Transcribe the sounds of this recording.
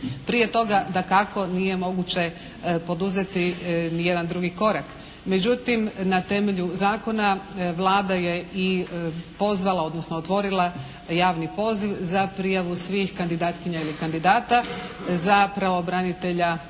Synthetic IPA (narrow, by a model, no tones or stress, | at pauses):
pɾije̞t̪o̞ɡad̪akako̞nije̞mo̞ɡut͡ɕe̞ | po̞d̪uze̞t̪inije̞d̪and̪ɾuɡiko̞ɾak | me̞d͡ʑut̪imnat̪e̞me̞ʎuzaːko̞naʋlˠaːd̪aje̞ipo̞zʋalˠao̞d̪nosnoot̪ʋo̞ɾilˠa | jaːʋnipo̞ːziʋzapɾijaʋusʋiːxkand̪id̪aːt̪kiɲailikand̪id̪aːt̪a | zapɾaʋobɾanit̪e̞ʎa